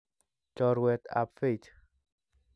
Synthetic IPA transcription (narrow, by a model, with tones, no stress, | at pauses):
t͡ʃɔɾwɛt̪a̰˨pfe˦t͡ʃ